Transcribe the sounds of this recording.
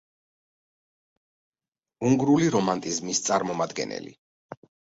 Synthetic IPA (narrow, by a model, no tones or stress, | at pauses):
uŋɡɾuliɾɔmant̪ʼizmist̪sʼaɾmɔmad̪ɡɛ̰nɛ̰lḭ